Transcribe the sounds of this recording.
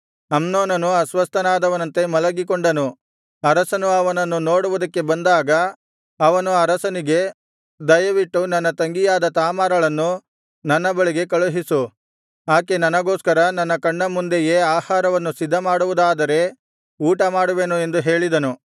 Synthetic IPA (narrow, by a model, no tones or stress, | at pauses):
ɐmnoːnɐnuɐsʋɐst̪ɐnaːd̪ɐʋɐnɐnt̪e̞mɐlɐɡikoɳɖɐnu | ɐɾɐsɐnuɐʋɐnɐnːunoːɽuʋud̪ɐkːe̞bɐnd̪aːɡɐ | ɐʋɐnuɐɾɐsɐniɡe̞ | d̪ɐjɐʋiʈːunɐnːɐt̪ɐŋɡijaːd̪ɐt̪aːmaːɾɐɭɐnːu | nɐnːɐbɐɭiɡe̞kɐɭuɦisu | aːkenɐnɐɡoːskɐɾɐnɐnːɐkɐɳːɐmund̪eje̞ːaːhaːɾɐʋɐnːusid̪ʱːɐmaːɽuʋud̪aːd̪ɐɾe̞ | uːʈɐmaːɽuʋe̞ːnue̞nd̪uɦe̞ːɭid̪ɐnu